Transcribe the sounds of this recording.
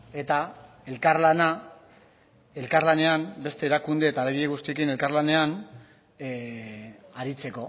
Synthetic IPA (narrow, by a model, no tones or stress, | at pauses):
e̞t̪a | e̞lkaɾlana | e̞lkaɾlane̞ambe̞st̪e̞ːɾakund̪e̞ːt̪aleɣieɣ̞ust̪iekine̞lkarlane̞an | aɾit͡se̞ko̞